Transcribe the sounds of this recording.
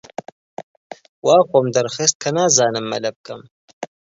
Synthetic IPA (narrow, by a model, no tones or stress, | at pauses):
waːxʷɐmd̪ɐɾxest̪̚kʰɐnaːzaːnɨmːɐ̰lɐb̚kɐm